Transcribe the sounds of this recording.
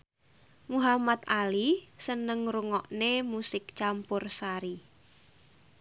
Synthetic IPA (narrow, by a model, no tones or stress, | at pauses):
muɦamat̪alisənəŋɾuŋɔʔnemusɪk̚t͡ʃampʊrsaɾi